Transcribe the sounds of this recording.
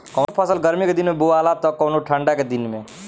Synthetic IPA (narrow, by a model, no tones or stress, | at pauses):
kɔʊnopʰəsəlɡəɾmiked̪inmebualat̪ɔkɔʊnoʈʰəɳɖaked̪inme